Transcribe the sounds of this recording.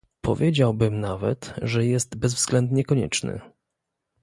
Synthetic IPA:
pʰɔ̰vʲjed͡ʑawbɘmnavɛ̰t̪ʐɛjɛst̪bɛzvz̥ɡlɛnd̪ɲɛkɔɲɛ̰t͡ʂnɘ̰

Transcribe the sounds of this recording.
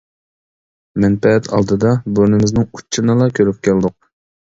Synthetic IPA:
mɛnpɛɛt̪ʰɑ̰lˠd̪ɨd̪ɑboɾnɪmɪznɪŋut͡ʃʰːɨnɨlˠɑkʲʰøɾyp̚kʲæld̪ʊq̚

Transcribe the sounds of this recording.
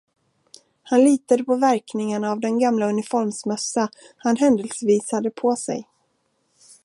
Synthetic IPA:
hanliːt̪ad̪əpʰɔvæɾknɪŋaɳaːvd̪ɛnɡamlaɵnɪfɔɾmsmœsːa | hanɦɛnd̪əlsviːshad̪əpʰɔsɛ̰j

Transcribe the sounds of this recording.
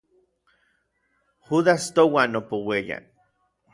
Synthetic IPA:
xuðast̪owanopoweja̰

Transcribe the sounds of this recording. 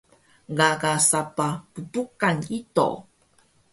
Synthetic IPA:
ɡakasapapudukanito̰

